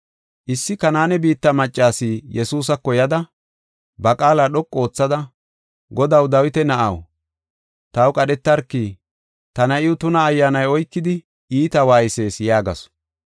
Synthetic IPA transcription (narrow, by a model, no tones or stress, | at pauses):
ʔɪsːɪkɐnaːnɛbiːt̪ːɐmɐt͡ʃʼːaːsiːjɛsuːs̬ɐkːɔjɐd̪ɐ | bɐkʼaːlaɗɔkʼːo̞ːt͡sːɐd̪ɐ | ɡɔd̪ɐwd̪ɐwɪt̪ɛnɐʔɐ̰w | t̪ɐwkʼɐɗɛt̪ːɐɾkːiː | t̪ɐnɐʔɪwʊt̪ʊnɐːjːaːnɐjɔjkːɪd̪ɪ | ʔiːt̪ɐwaːjɪse̞ːsjaːɡɐ̰s